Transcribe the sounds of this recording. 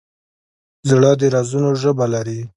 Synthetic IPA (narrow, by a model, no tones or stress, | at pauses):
zɽəd̪əɾɑzunoʒəbalaɾi